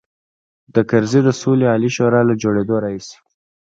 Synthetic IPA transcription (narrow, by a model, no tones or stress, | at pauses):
d̪̥əkaɾzid̪əsoleɑliʃoɾɑlad͡ʒoɽed̪oɾɑɦisi̥